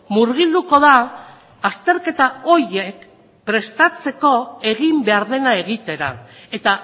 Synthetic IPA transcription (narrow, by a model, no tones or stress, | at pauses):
muɾɣ̞ild̪uko̞ðaː | st̪e̞ɾke̞t̪ao̞ɾje̞k | pɾe̞st̪at͡se̞ko̞e̞ɣimbe̞aɾðe̞nae̞ɣit̪e̞ɾae̞t̪a